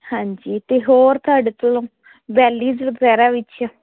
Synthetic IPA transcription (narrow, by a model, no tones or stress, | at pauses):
hãːɲd͡ʒiːt̪eːɦoːɾt̪oaːɖeːt̪olõː | bɛːliːd͡ʒlpɛːɾaːʋɪt͡ʃa